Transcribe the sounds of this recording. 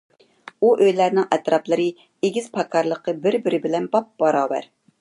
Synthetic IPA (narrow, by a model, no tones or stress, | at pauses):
uʔøjlæɾnɪŋʔɛt̪ɾɑplˠɨɾɨ | eɡʲiz̥pʰɑkʰɑɾlˠəqəbɪɾbɪɾɪbɪlɛnbɑp̚bɑɾɑːbæ̰ɾ